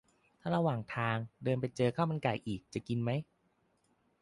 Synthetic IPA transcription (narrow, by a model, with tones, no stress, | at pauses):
t̪ʰaː˥˩ɾa˧waː˨˩ŋt̪ʰaː˧ŋdɤː˧npa˧jt͡ɕɤː˧kʰaː˥˩wma˧nka˨˩jʔiː˨˩k̚t͡ɕa˨˩ki˧nma˦˥j